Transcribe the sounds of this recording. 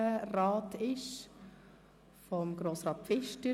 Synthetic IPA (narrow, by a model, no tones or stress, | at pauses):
əɾɑːtɪʃ | fɔmɡ̥ɾoːsɾɑːt̚fɪʃtə